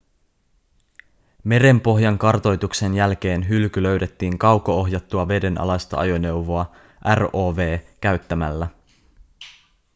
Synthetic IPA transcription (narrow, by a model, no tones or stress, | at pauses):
me̞ɾe̞mpo̞ɦjɑŋkɑrt̪o̞jt̪ukse̞njælk̟e̞ːnɦylkylø̞ɥde̞t̪ːiːŋkɑwkooɦjɑt̪ːuɑʋe̞de̞nʔɑ̰lɑst̪ɑ̰ʔɑ̰jo̞ne̞wʋo̞ɑ | ʔæro̞ːʋe̞ːkæɥt̪ːæmælːæ